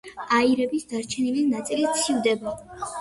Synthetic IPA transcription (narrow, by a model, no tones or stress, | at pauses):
aiɾɛbisd̪aɾt͡ʃʰɛnilinat̪sʼilit̪sʰivd̪ɛba